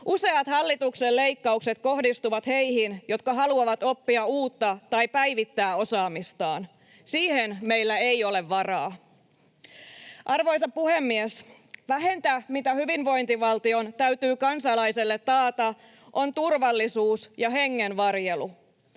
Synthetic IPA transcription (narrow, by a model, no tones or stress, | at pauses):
ʔuse̞ɑt̪hɑlːit̪ukselle̞jkːɑukset̪ko̞ɦdist̪uʋɑt̪he̞jhinjo̞t̪kɑɦɑluɑʋɑt̪o̞pːiɑuːt̪ːɑt̪ɑjpæjʋit̪ːæːo̞sɑːmist̪ɑːn | siːhenme̞jlːæejo̞le̞ʋːɑrɑː | ʔɑrʋo̞js̬ɑppuhe̞mːies | ʋæɦe̞nt̪æmit̪æhyʋinʋo̞jnt̪iʋɑlt̪io̞nt̪æyt̪yːkɑnsɑlɑjselːet̪ːɑːt̪ɑ | ʔo̞nt̪urʋɑlːisuːsjɑɦe̞ŋːenʋɑrjelu